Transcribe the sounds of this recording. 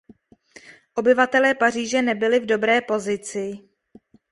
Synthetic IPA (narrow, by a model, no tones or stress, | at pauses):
ʔo̞bɪvat̪ɛlɛːpariːʒɛnɛbɪlɪvdo̞bɾɛːpo̞zɪt͡sɪ